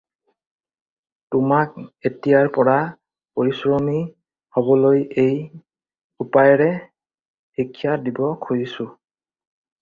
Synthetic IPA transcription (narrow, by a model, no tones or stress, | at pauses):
tʊmak̚etijaɹpɔɹa | poɹisɹɔmi | hobɔlojej | upajɔɹɛ | hikʰːijadibɔkʰojisʊ